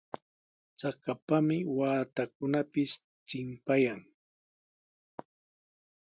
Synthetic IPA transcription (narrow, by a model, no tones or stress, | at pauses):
t͡sakapamɪwaːt̪akʊnapɪs | t͡ʃɪmpajaŋ